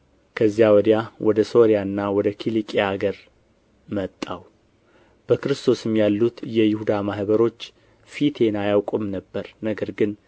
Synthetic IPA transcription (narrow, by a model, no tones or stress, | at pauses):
kʰəzːjawɔd̪ijawʔɔd̪əso̞ɾijanːawɔd̪əkʰilikʼeaɡəɾ | mət̪ʼːa̰w | b̥əkɨɾɨst̪ʰo̞sɨmjalːut̪jɛjɪhud̪amahβəɾo̞t͡ʃː | fit̪ʰe̞najawkʷʼɨmnəbːəɾnəɡəɾɡɨn